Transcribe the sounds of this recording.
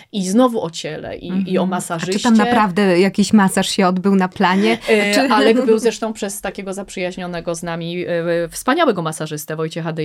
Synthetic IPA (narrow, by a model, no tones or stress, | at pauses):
iznɔvuɔt͡ɕɛlɛ̰ʔḭiɔmasaʐɨt̪amnapɾavd̪ɛjakʲiɕmasaʂɕɛɔd̪bɘwnaplaɲɛalɛbɘwzɾɛʂt̪ɔ̃w̃pʂɛst̪akʲeɡɔzapʂɘjaʑɲɔnɛɡɔznamʲifspaɲawɛɡɔmasaʐɘst̪ɛvɔjt͡ɕɛxad̪ɛ